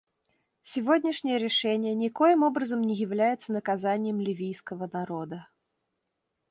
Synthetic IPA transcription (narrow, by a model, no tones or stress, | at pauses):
sʲɪvodʲnʲɪʂnʲɪjəɾʲɪʂɛnʲɪjənʲɪkojɪmobɾəzəmnʲɪjɪvlʲæjɪt̪sənəkazanʲɪjəmlʲɪvʲijskəvənaɾod̪ə